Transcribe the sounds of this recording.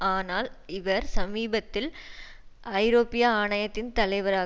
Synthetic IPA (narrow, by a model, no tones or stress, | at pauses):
aːnaːlɪʋɐɾsɐmiːbɐt̪ːɪl | ɐɪɾoːpɪjaaːɳɐjɐt̪ːɪnt̪ɐlɐɪʋɐɾaː